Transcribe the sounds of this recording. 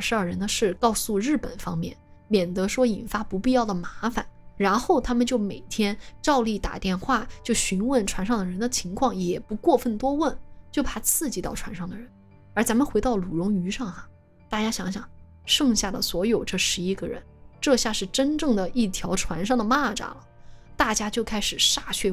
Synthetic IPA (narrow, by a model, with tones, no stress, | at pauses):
ʂɻ̩˧˥ɐ˞˥˩ɻə˧˥nd̪ə˧ʂɻ̩˥˩kɑ˥˧ʊsu˥˧ɻɻ̩˥˩pə̰˨˩nfɑ̰˥ŋmjɛ̰˥˩nmjɛ˨˩nt̪ɤ˧˥ʂwɔ˥i˨˩nfa˥pu˧˥pi˥˧jɑ˥˩ʊd̪ə˩ma˧˥fa̰˨˩nɻa˧˥nxo˥˩ʊt̪ʰa˥mə˨nt͡ɕjo˥˩ʊme˨˩ɪt̪ʰjɛ˥nʈ͡ʂɑ˥˧ʊli˥˩t̪a̰˨˩t̪jɛ˥˧nxwa˥˩t͡ɕjo˥˩ʊɕy˧˥nwə˥˩nʈ͡ʂʰwa˧˥nʂɑ˥˩ŋd̪ə˩ɻə˧˥nd̪ə˧t͡ɕʰi˧˥ŋkʰwɑ˥˩ŋjɛ˨˩pu˧˥kwɔ˥˧fə˥˩nt̪wɔ˥wə˥˩nt͡ɕjo˥˩ʊpʰa˨˩t͡sʰɹ̩˥˩t͡ɕi˧˥t̪ɑ˥˩ʊʈ͡ʂʰwa̰˧˥nʂɑ˥˩ŋd̪ə˩ɻə˧˦˥n | ə˞˧˥t͡sa˧˥mə˨nxe˧˥ɑ˥˩ʊlu˨˩ɻʊ˧˥ŋy˧˥ʂɑ˥˩ŋxɐ˩ | t̪a˥˩t͡ɕja˥ɕjɑ˧˥ŋɕjɑ̰˨˩˦ŋ | ʂɤ˥˧ŋɕja˥˩lə̰˩swɔ˧˥jo˨˩ʊʈ͡ʂɤ˥˩ʂɻ̩˧˥i˥ɡə˧ɻə̰˧˥nʈ͡ʂɤ˥˧ɕja˥˧ʂɻ̩˥˩ʈ͡ʂə˥nʈ͡ʂɤ˥˩ŋd̪ə˩i˥˩t̪ʰjɑ˧˥ʊʈ͡ʂʰwa˧˥nʂɑ˥˩ŋd̪ə˩ma˥˩ʈ͡ʂa̰˨˩lə˩t̪a˥˩t͡ɕja˥t͡ɕjo˥˩ʊkʰa˥ɪʂɻ̩˨˩ʂa˥˧ɕʰɥɛ˥˩